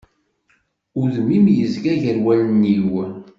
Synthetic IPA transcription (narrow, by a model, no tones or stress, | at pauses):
ʊɾðəmːimjəzɡæʝəɾwælənːiw